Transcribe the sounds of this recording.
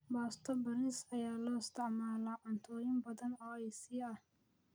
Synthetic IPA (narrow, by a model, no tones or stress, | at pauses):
baːst̪ʰɔbɐɾɪsɐjaːlɔːɪst̪ʰɪʕmaːlaːʕʊnt̪ʰɔːjɪmbɐðɐnɔːɛjsiːɐh